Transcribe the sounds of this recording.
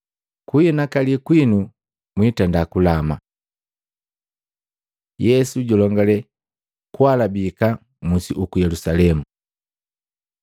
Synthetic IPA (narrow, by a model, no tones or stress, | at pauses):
kuinakalikwinu | mwitandakulama̰ | jɛsuɟɔlɔŋɡalɛ | kwalabika | musiʔukujɛlusalɛmu